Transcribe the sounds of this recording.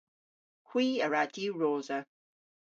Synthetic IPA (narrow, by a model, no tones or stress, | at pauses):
kʰw̥iːəɹadiɹoːzə